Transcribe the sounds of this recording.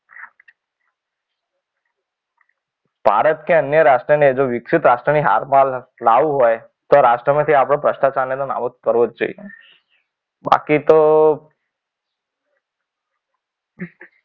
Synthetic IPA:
b̥ʱa̰ɾət̪keənjəɾaʃʈɾənid͡ʒoʋɪksit̪ɾasʈɾəniɦa̰ɾmallaʋũɦoj | t̪oɾaʃʈɾəmẽt̪ʰiapɽ̃õpɾəʃt̪at͡ʃalenona̰ʋokəɾʋod͡ʒd͡ʒo̰ḭje | ba̰kit̪o

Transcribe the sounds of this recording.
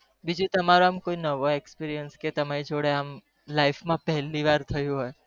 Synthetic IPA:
bid͡ʒũt̪əmaɾoamkoinəʋoekspiɾijənsket̪əmaɾid͡ʒoɽeam | laifmãpɛɦɛlːiʋaɾt̪ʰəjũɦoj

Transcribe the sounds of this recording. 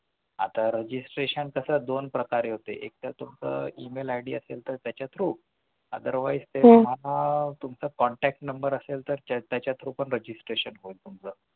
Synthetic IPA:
a̰t̪aɾəd͡ʑisʈɾeɕənkəsəd̪onpɾəkaɾeɦot̪ḛʔek̚t̪at̪umt͡sə̰ːimelajɽiəselt̪əɾt̪jat͡ɕat̪ʰɾuː | ə̰d̪əɾʋaid͡zt̪eum̤alat̪umt͡səkɔɳʈæk̚ʈnəmbəɾəselt̪əɾt̪at̪jat͡ɕjat̪ʰɾupəɳɾəd͡ʑisʈɾeɕənɦoilt̪umt͡sə

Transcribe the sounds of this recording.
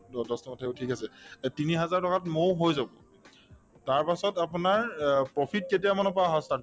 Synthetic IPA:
ɔdɔstɔmɔtʰaeotʰikasɛtiniɦazaɹtɔkatmowɦojzabɔ | taɹpasɔtapunaɹpɹɔpʰit̚ketijamɔnɔpaɦɔsta

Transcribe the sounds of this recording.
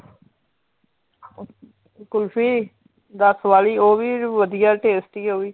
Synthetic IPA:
ɪkʊlpʰiː | d̪əsʋaːliːoːʋiːʋəd̪ijaːʈeːsʈiːoːiː

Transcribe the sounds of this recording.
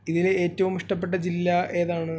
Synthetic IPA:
iðile̞ːtːɐʋumiʂʈɐp̬ːe̞ʈːɐd͡ʑilːɐʔe̞ːðaːɳɨ

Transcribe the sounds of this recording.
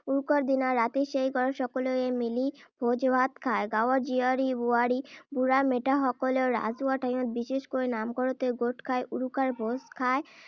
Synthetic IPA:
uɾukaɾd̪inaɾːat̪eʃejɡɔɾoʃɔkoloemilibʱod͡ʑbʱat̪kʰaeɡawaɾd͡ʑiaɾibuaɾibuɾameʈaɦɔkoleoɾa̰d͡ʑuaʈʰajot̪̚biʃeʃkoɾenamkɔɾot̪eɡoʈkʰaeʔuɾukaɾbʱoskʰae

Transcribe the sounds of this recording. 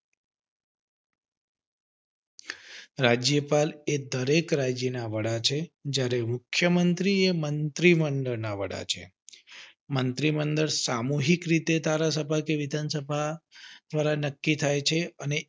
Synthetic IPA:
ɾad͡ʒjəpaled̪əɾekɾad͡ʒjənaʋəɽat͡ʃʰed͡ʒjaɾemukʰːjəmənt̪ɾiemənt̪ɾimənd̪əɭnaʋə̰ɽa̰t͡ʃʰḛ | mənt̪ɾimənd̪əɾsamuɦikɾit̪ed̪ʱaɾas̬əbʱakeʋid̪ʱansəbʱad̪ʋaɾanəkːit̪ʰajt͡ʃʰeəne

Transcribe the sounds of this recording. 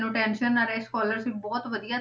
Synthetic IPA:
nũːʈɛːnʃənaɾɛskɔːləɾsɪfʰbɔːt̪ʋəd̪ijaː

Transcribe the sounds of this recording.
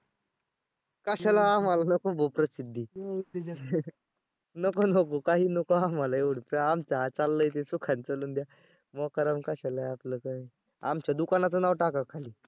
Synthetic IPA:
kaɕalaamalanəkobʱopɾəsid̪ʱːiː | nəkonokokaɦiːnokoamalaeʋuɽpəamt͡saɦat͡salːəjt̪̬esukʰant͡səluːnd̪ja | mɔkaɾamkaɕalajapləkaɦiː | amt͡ɕjad̪ukanat͡sənaʋʈakakʰaliː

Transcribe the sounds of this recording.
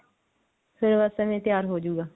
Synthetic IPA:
pʰɪɾʋəsɛːʋẽːt̪ɪjaːɾɦoːd͡ʒuːɡaː

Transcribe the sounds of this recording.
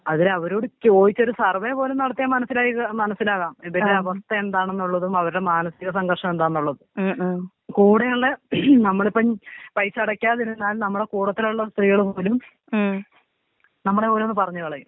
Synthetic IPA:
ɐðileɐʋɐɾuːɽikːoːjit͡ɕːo̞ɾusɐrʋepo̞ːlumnɐɽɐt̪ːijaːmːɐnɐsːilaːjiɣɐmɐnɐsːilaːɣaːmeðɐɽeɐʋɐst̪ɐe̞nd̪aːɳe̞nːuɭːɐðumɐʋɐɾuɽe̞maːnɐsiɣɐsɐŋɡɐrʂɐme̞nd̪aːnːuɭːɐðu | kuːɽejɐɭːe̞nɐmːɐɭipːɐpɐjsɐɽɐkʲːaːɐðiɾunːaːlnɐmːɐɽekuːɽɐt̪ːiluɭːɐst̪riɣɐɭpo̞ːlum | nɐmːɐɭepoːlumnːɨpɐrɐɲːukɐɭɐjum

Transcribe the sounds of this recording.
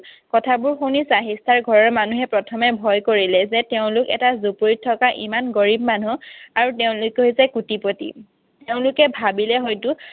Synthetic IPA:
kɔtʰabʊɹxonisaɦistʰaɹɡʱɔɹɔɹmanuɦɛpɹɔtʰɔmɛbʱɔjkoɹilɛzɛteʊ̃lʊkɛ̰tazupuɹitʰːɔkaʔimanɡɔɹib̚manuaɹuteʊ̃lʊkɦojzɛkutipotḭ | teʊ̃lʊkɛbʱabilɛɦɔjtʊ

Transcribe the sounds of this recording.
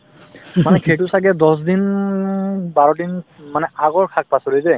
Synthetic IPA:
manɛkʰejtʊsaɡɛdɔs̬din | baɹɔdinmanɛaɡɔɹkʰak̚pasɔɹizɛ

